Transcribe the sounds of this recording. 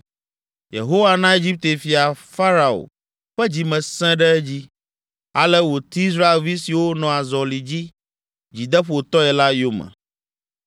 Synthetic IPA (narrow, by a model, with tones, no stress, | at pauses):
jḛ˨ɦo˦wa˦nã˦e˦d͡ʑi˦p̚t̪e˨fi˨a˨fa˦ɾa˨o̰˨ | ɸɛ˦d͡ʑi˨mɛ̃˨sɛ̃˦ɖɛ˦ɛ˦d͡ʑi˦ | a˨lɛ˦wo˨t̪i˦i˦s̬ɾa˦e˨lvi˦si˨wo˦nɔ̃˨a˨zɔ˨li˨d͡ʑi˦ | d͡ʑi˨d̪ɛ˦ɸt̪ɔ˦ɛ˨la˦jo˦mɛ̰̃˨